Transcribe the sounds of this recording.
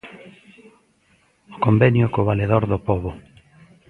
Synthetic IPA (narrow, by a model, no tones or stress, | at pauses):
o̥kombɛnjʊkoβaleðoɾðopɔβʊ